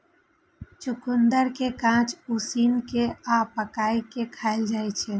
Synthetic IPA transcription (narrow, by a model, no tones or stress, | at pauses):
t͡ʃʊkʊnd̪əɾkekãːt͡ʃusiːnkeaːpəkaːikekʰaːɪld͡ʒaːit͡ʃʰe